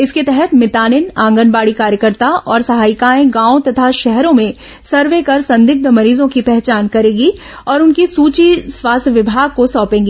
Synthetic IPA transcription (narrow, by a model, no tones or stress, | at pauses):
ɪsket̪ɛɦɛt̪mɪt̪aːnɪnãːŋɡənbaːɽikaːɾjəkəɾt̪aɔːɾsɐɦaːɪkaːẽɡãːõt̪ɐt̪ʰaʃɛɦɾõmẽ | sɐɾʋekɐɾsɐ̃nd̪ɪk̚d̪əmɐɾiːzõkipɛɦt͡ʃaːnkɐɾẽːɡi | ɔːɾʊnkisuːt͡ʃiswaːst̪ʰjʋɪbʱaːɡ̚kosɔːpẽːŋɡi